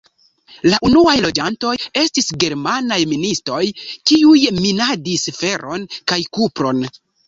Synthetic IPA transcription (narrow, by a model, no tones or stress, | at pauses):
laʔunuajlo̞d͡ʒanto̞je̞stisɡe̞ɾmanajministo̞jkiujminadisfe̞ɾʔo̞nkajkupɾo̞n